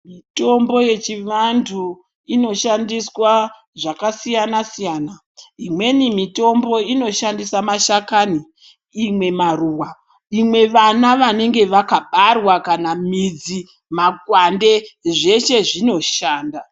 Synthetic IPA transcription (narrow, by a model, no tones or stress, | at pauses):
mito̞mbo̞je̞t͡ʃiʋantʰu | ino̞ʃandiswa | ʐakasijanasijaːna | imwe̞nimito̞mbo̞ino̞ʃandisamaʃakaniː | mwe̞maruːwa | imwe̞ʋanaʋane̞ŋɡe̞ʋakaɓarwakanamid͡zi | maɡwande̞ʐe̞ʃe̞ʐino̞ʃaːnda